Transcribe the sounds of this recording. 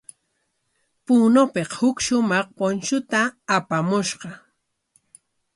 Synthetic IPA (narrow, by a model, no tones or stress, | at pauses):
puːnopeqhʊkʃʊmɑχponʃʊt̪aːpamʊʃɢɑ